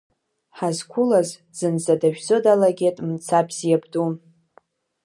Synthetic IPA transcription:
ħazkʷʰʊlaz | d͡z̥ɨnd͡zadaʒᶣd͡zodalaɡʲetʼmt͡sʰapʰzijabdu

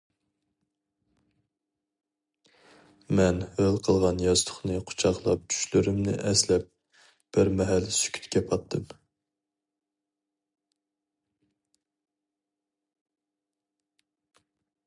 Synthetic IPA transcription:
mɛnhølqʰəlˠʁɑnjɑzt̪ʰʊ̥χnɨqʰo̥t͡ʃʰɑχlˠɑp̚t͡ʃʰy̥ʃlyɾymnɪ̰ʔɛslɛp̚ | b̥ɪɾmɛɦɛlːɪsy̥kʲʰy̥t̪kʲɛpʰɑt̪ʰːɨm

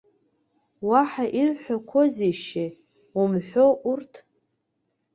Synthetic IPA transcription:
waħaʔirħʷᶣakʷʰozejʃe | umħʷᶣo̞ʔurtʰ

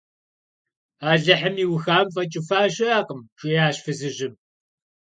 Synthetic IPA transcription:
aːɮɐħəmiːwxaːmfʼɐt͡ʃʼɪfaːʃɐjaːqʼəmʃʷʼijaːɕfɨzɨʑɪm

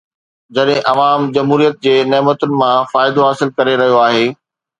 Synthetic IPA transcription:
d͡ʑɐɗɦɪ̃ʔɐʋaːmd͡ʑɐmɦuːɾijət̪̚d͡ʑeːneːmət̪ʊnɪ̆mãfaːɪd̪oɦaːsɪlkɐɾeɾɐɦijoaːɦeː

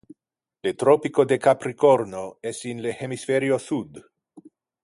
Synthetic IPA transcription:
let̪ɾopikod̪ekapɾikoɾnoɛsinlehemisfeɾiosud̪

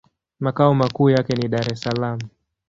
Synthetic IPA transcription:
makaɔmakuːjakɛniɗaɾɛsalamu

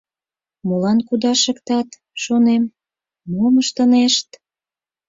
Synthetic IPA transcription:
molɑnkud̪ɑʃə̆kt̪ɑt̪ | ʃonemː | oməʃt̪ə̆neʃt̪

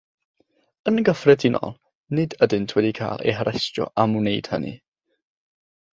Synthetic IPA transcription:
ənɡəfrɛdʰɪnɔ̰lˠ | nɪdədɨntʰwɛdikʰa̰ːlˠḛjɦəɾʔɛstɔ̰ʔamunejd̥hə̰nʔḭ

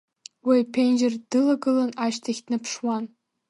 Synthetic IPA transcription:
wejpʰenʲd͡ʒɪrd̥ɨlɐɡɨlɐnaʃtʰɐxʲtnɨpʰʂwɑn

